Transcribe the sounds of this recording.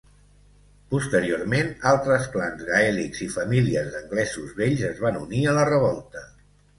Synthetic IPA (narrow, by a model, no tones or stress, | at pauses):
pust̪əɾioɾmenalˠt̪ɾəsplanzɣaɛlikz̥ifəmiliəzðəŋɡlɛzuzβeʎzəzβanuniələrəβɔlˠt̪ə